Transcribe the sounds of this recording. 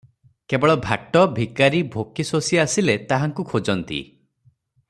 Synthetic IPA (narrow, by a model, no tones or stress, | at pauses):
kebɔɭɔbʱaʈɔbʱikaɾibʱokisosiasilet̪aɦaŋkukʰod͡ʒɔnt̪ḭ